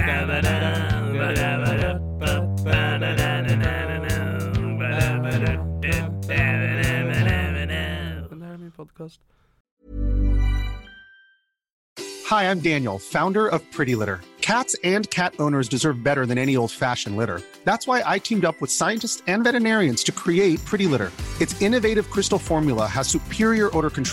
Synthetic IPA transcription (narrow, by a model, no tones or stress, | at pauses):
n | n | mipʰɔd̚kʰæs̚ | haɪãɪ̃mdæ̃njl̩ˠfãʊ̃ndə˞ʌv̥pʰɹ̥ɪɾilɪɾə̰˞kʰætsɨ̃nkʰæɾõʊ̃nə˞zdɨzɜ˞vbɛɾə˞ðɨ̃nɛɾ̃ioʊlˠd̥fæʃɨ̃n̩lɪɾə̰˞ | ðætswaɪʔaɪkʰĩmdʌpwəð̥saɪɨ̃ntɨstsɨ̃nvɛɾɨnɛɹiɨ̃nz̥tʰɨkʰɹ̥ieɪt̚pʰɹ̥ɪɾilɪɾə̰˞ɨtsɪ̃nɨveɪɾɨv̥kʰɹ̥ɪstl̩ˠfɔɹmjl̩ˠəəz̥sʉpʰɪɹiə˞ʔɔɾə˞kn̩tʰ